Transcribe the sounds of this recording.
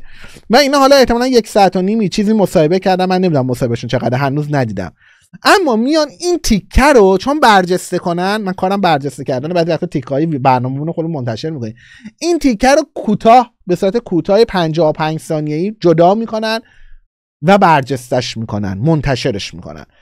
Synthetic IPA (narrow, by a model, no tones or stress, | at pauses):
væiːnɒːɦɒːlɒːe̞ht̪eɒːlænjecsɒæt̪ʰoniːmit͡ʃʰiːziːmosɒːhe̞becʰæɾd̪æmːænːemid̪unæmːosɒːhebæʃunt͡ʃʰeɣæːd̪ɦænuːznæd̪iːd̪æ̰m | ʔæmːɒːmijɒnint̪ʰicʰːæɾot͡ʃʰonbæɾd͡ʒest̪ekʰo̞nænmænkʰɒːɾæmbæɾd͡ʒest̪ecʰæɾd̪ænbæːzivæxt̪ʰːt̪ʰikʰːjebæɾnɒːmemunoxod̪emont̪ʰæʃe̞ɾmiːkʰoni | ʔint̪ʰicʰːæɾokʰuːt̪ʰɒːh | be̞suːɾæt̪ʰe̞kʰuːt̪ʰɒːjepʰænd͡ʒɒːhopʰænd͡ʒsɒːnijeiːd͡ʒod̪ɒːmiːkʰo̞næn | væbæɾd͡ʒe̞st̪æʃmiːkʰo̞̰næ̰nmont̪ʰæʃe̞ɾeʃmḭːkʰo̰næ̰n